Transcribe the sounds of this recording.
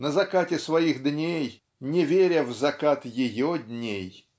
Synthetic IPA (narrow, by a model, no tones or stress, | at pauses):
nəzɐkatʲɪsvɐjixd̪nʲej | nʲɪvʲeɾʲəvzɐkat̪jɪjɔd̪ʲnʲej